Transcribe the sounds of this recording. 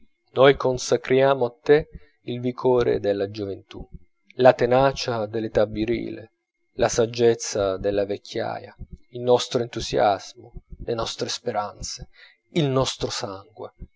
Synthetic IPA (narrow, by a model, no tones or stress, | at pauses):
nɔjkonsakɾjaːmoat̪ːe | ilvikʰɔːɾḛd̪elːad͡ʒovent̪ṵ | lat̪enaːt͡ʃad̪elːet̪abːiɾḭːlḛ | lasad͡ʒːet̪sːad̪elːavekʰʲːja̰ːja̰ilnɔst̪ɾoent̪uzja̰z̥molenɔst̪ɾespeɾant̪se̥ | ilnɔst̪ɾosaŋɡwḛ